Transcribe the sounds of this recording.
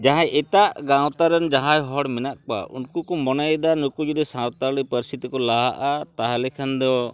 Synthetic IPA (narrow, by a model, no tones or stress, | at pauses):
d͡ʒaɦãʔɛt̪aʔɡawt̪aɾɔnd͡ʒaɦajɦɔɽmɛnaʔ̚k͡pa̰ʔṵnkukumɔnajd̪anukud͡ʒud̪isawt̪aɾlipəɾist̪ʰit̪ikɔlaɦaʔat̪aɦalɛkʰand̪ɔ